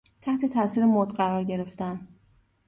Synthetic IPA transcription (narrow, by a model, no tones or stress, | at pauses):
t̪ʰæht̪ʰe̞t̪ʰæsiːɾemod̪ɢæɾɒːɾɟe̞ɾe̞ft̪æn